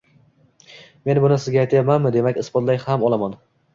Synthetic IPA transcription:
me̞nbʊnɪsɪzɡʲaajt̪ʰjapmanmɪd̪e̞makʲɪsbɒt̪lajhamɒlˠaman

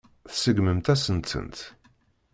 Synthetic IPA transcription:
θsəɡməmt̪æsənt̪ə̰nt̪

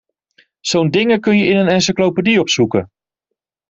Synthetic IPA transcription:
sowndɪŋəkɵnjəʔɪnənɛnsəklowpədiɔpsukə̰

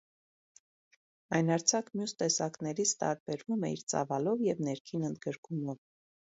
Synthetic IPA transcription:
ɑjnɑɾt͡sʰɑkmjust̪ɛsɑknɛɾit͡sʰt̪ɑ̰ɾbɛɾvumɛiɾt͡sɑ̰vɑlɔvjɛvnɛɾkʰinənd̪ɡəɾkumɔv

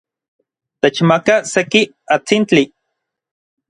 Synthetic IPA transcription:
t̪et͡ʃmakaseki | at͡sint͡ɬi

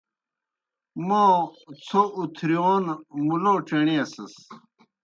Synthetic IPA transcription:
moːt͡sʰoʔut̪ʰɾioːnmuloʈ͡ʂeɳiɐsɐs

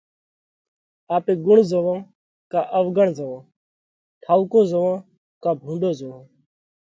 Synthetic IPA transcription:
aːpẽːɡʊɳzəʋãː | kaːʔəʋɡəɳzəʋãː | ʈʰaːʊkõːzəʋãː | kaːbʱũːɳɖoːzəʋãː

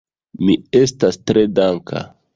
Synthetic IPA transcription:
mie̞stastɾe̞daŋkʰa̰

